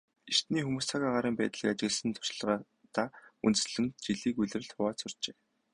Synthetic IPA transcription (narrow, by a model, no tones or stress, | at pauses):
ert̪niːxumuːsaɣaːʁaɾəːmpæːt̪ə̆ɮə̆kat͡ɕɪ̆ɣɘ̆ɮsə̆nt̪ʰʊ̥ʃɮʁa | t̪aːṵnt̪ɘ̆sɮɘ̆mt̪̚t͡ɕiɮiːkuɮɘ̆rɘ̆ɮt̪ʰʊwaːsʊr̥t͡ɕeː